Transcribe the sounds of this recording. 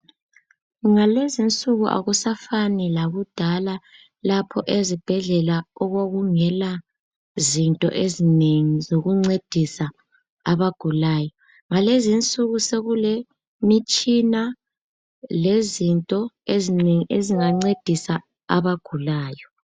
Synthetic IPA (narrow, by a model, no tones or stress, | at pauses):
ŋalezint͡sʼuɣuʔa̰ɣusafanilaɣud̥ʱala | lapʰɔʔezib̥ʱɛɮɛlaɔɣoɣuŋɛla | zintʼɔ̰ʔezineŋizoɣuŋ͡ǀed̥ʱisa | aβaɡ̥ʱulaːjɔ | ŋalezint͡sʼuɣuseɣule | mit͡ʃʼina | lezintʼɔezineŋiʔeziŋaŋ͡ǀed̥ʱisa | a̰βaɡ̥ʱulaːjɔ